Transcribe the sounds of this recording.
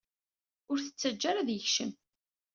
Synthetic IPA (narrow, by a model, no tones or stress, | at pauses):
ʊɾθə̥t͡sːæd͡ʒːæɾaðjəçʃəm